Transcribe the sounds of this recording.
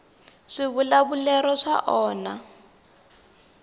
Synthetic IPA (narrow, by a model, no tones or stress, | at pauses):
ʂɪβulaβulɛɾɔʂa̰ʔɔːna